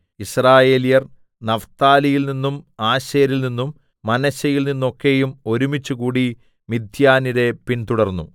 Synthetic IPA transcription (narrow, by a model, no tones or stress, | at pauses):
israːje̞ːlijɐr | nɐft̪aːlijilninːumaːɕɐjɐɾilninːumː | ɐnɐɕɐjilninːuokːe̞jumo̞ɾumit͡ɕːukuːɽi | mid̪ʱjaːniɾe̞pint̪uɽɐrnːu